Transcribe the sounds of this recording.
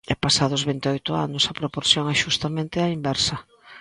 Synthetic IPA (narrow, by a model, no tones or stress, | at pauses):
ɛpasaðʊzβint̪eɔojt̪ʊa̰nʊsɐpɾopoɾθjoŋɛʃust̪amẽnt̪ɪaimbɛɾsɐ